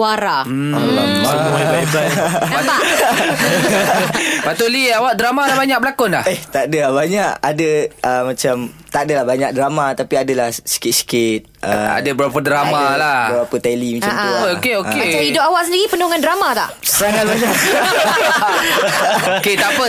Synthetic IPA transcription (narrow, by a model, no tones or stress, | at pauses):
waɾa | aaaaat̪a | pat̪oliawaʔ̚dɾamalabaɲak̚bəlakʊnlaheht̪adəlabaɲaʔadəʔəmãt͡ʃamt̪adəlahbaɲak̚dɾamat̪apiadəlahsi̥kɪt̪̚si̥kɪt̪̚ʔə̰a̰dəbəɾapədɾamalabəbapət̪ɛlimat͡ʃamokeoeaaidʊʔawaʔsəndiɾipənoɦuŋandɾamat̪a̰ʔsəɾaŋat̪̚baɲak | ket̪apə